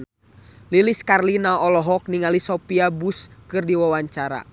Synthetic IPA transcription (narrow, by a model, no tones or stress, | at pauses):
liliskarlinaɔlɔɦɔk̚niŋalisɔpiabuskɨrdiwawaɲt͡ʃaɾa̰